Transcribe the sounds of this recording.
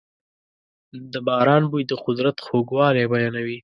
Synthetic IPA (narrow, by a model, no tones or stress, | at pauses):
d̪əbɑːɾɑːnbujd̪əqʊd̪ɾat̪xoɡwɑlebajɑːnawi